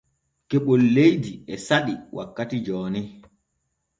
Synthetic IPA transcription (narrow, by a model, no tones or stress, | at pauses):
kɛɓɔlːejdiɛsaɗiwʔa̰kːatid͡ʒɔːnɛ